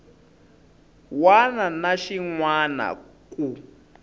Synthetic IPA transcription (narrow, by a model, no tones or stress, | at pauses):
wananaʃiŋwana̰ku